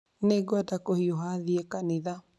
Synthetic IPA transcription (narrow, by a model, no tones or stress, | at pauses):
neɡɔadakohioɦaðiɛkaneða